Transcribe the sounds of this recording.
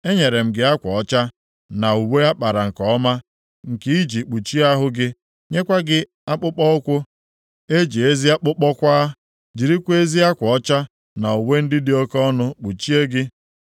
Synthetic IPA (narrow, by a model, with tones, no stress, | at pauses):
e˦ɲe˨ɾe˨m̩˨ɡɪ˦a˦kʷɔ˨ɔ˦t͡ʃa˦ | na˨u˨we˦a˦k͡pa˨ɾa˨ŋ̩˨kɔ˨ɔ˦ma˦ | ŋ̩˨ki˦i˦d͡ʒi˨k͡pu˨t͡ʃi˦a˦ɦʊ˦ɡɪ˦ | ɲe˦kʷa˦ɡɪ˦ | a˦k͡pʊ˦k͡pɔ˦ʊ˦kʷʊ˦ | e˦d͡ʒi˨e˦zi˦a˦k͡pʊ˦k͡pɔ˦kʷa˦ | d͡ʒi˨ɾi˦kʷe˦zi˦a˦kʷɔ˨ɔ˦t͡ʃa˦ | na˨u˨we˦n̩˦dɪ˦dɪ˦ɔ˦kɔ˦nʊ˦k͡pu˨t͡ʃi˦e˦ɡɪ˦